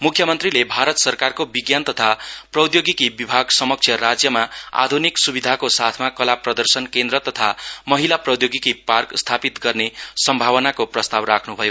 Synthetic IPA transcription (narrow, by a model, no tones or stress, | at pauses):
mukʰːjʌmʌnt̪rilebʱaɾʌt̪sʌrkarkobiɡjant̪ʌt̪ʰaprʌwd̪joɡikibibʱaɡsʌmʌk̚t͡sʰjʌɾad͡zjʌmaa̰d̪ʱuniksubid̪ʱakosat̪ʰmakʌlaprʌd̪ʌrsʌnkend̪ɾʌt̪ʌt̪ʰamʌɦilaprʌd̪joɡikiparkst̪ʰapit̪ɡʌrnesʌmbʱaβʌnakoprʌst̪abrakʰnubʱʌjo